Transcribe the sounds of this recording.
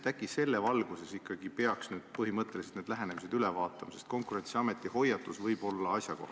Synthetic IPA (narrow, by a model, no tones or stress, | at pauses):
ækːˑise̞lːevɑlɡ̥use̞sikːˑɑɡ̥ipe̞ɑksnyːd̪̥pɤɦimɤt̪ːˑeliset̪neːd̪læɦene̞mis̬e̞d̪̥ylevɑːt̪ːˑɑmɑse̞st̪̚ko̞ŋkuɾe̞nt̪siɑme̞t̪ːˑiho̞jːɑt̪ːˑusvɤjbo̞lːɑɑsʲjɑko̞hɑ